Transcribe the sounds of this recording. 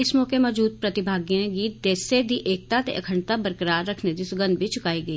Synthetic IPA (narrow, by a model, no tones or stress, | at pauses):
ɪsmɔːkemɔːd͡ʒuːd̪̚pɾɐt̪ɪbʱaːɡijãɡiːt̪̚d̪eːsed̪ʱiʔeːk̚t̪at̪eʔɐkʰəɳt̪abəɾkəɾaːɾːɐkʰned̪isʊɡə̃nd̪̚bʱit͡ʃʊkaːiɡɐi